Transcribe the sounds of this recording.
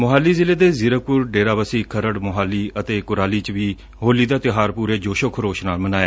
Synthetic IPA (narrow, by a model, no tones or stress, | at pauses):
mʊɦaːliːzɪleːd̪eːzɪɾəpʊɾɖeːɾaːbəsiːkʰəɾəɽmʊɦaːliːət̪eːkʊɾaːliːt͡ʃʋiː | ɦoːliːd̪aːt̪ɪɦaːɾpuːɾeːd͡ʒoːʃokʰɾoːʃnaːlmənaːeɛː